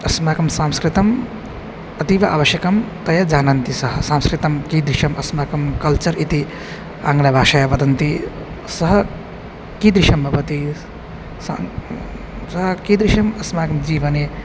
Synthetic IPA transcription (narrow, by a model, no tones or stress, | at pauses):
ɐsmaːkɐmsãːmskɾit̪ɐm | ɐt̪iʋɐʔa̰ːʋɐʃjɐkɐmt̪ɐjɐd͡ʒaːnɐnt̪isɐɦɐsãːmskɾit̪ɐmkid̪ɾiʃɐmɐsmaːkɐmkɐlt͡ʃɐɾit̪i | a̰ːŋɡlabʱaːʃajɐʋɐd̪ɐnt̪i | sɐɦɐ | kid̪ɾiʃɐmːɐpɐt̪i | sa | sɐɦɐkid̪ɾiʃɐmɐsmaːkɐmd͡ʒiːʋɐne